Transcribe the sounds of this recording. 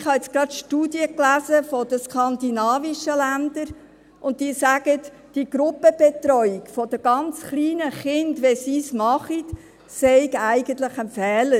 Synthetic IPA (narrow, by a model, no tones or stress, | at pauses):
ɪχhɑɛt͡sɡ̥ɾɑtʃtuːdjəklæzəfɔd̥əskʰɑnd̪inɑːviʃəlænd̪əɾ | ʔʊnt̚diːsæɡ̥ət | d̥iɡ̥ɾʊpəb̥et̪ɾɔʏɪkfɔd̥əɡ̥ɑnt͡sχliːnəχɪndʋɛsiːsmɑχit | sɛɪɡæɪɡ̥ənt̪ləχənfɛːlə